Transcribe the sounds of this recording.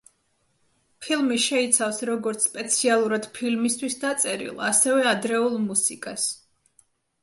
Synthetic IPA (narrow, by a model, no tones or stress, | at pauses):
pʰilˠmiʃɛit̪sʰafsɾɔɡɔɾt̪sʰpʼɛt̪sʰialˠuɾad̪̥pʰilmist̪ʰwisd̪at̪sʼɛɾḭlˠa̰sɛvɛad̪ɾɛulˠmusikʼas